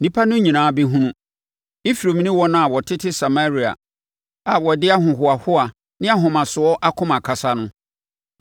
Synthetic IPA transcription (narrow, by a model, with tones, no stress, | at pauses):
nĩ˦pʰa˦nʊ̃˦ɲĩ˨nãː˨˦bi˦ɦũ˦nũ˦ | i˦fi˨ɾo˨mĩ˦nĩ˦wɔ˦nã˦a˨wɔ˨tʰɪ˦tʰɪ˦sa˨ma˦ɾi˨a̰˨ | a˨wɔ˨dɪ˦a˦ɦʊ̃˨ɦʊ˨a˨hʊ˦a˨ | nɪ̃˦a˨ɦʊ̃˨mã˨sʊ˨ɔ˦ʔa˦kʰʊ̃˦mã˨kʰa˨sa˦nʊ̃˦